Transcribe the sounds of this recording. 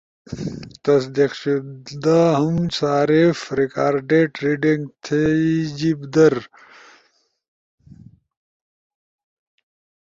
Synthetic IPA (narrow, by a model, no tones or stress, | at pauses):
t̪ɐsd̪iqɕud̪aːɦumsaːɾefɾikaːɾɖeʈɾiɖeŋɡt̪ʰeid͡ʑibd̪ɐɾ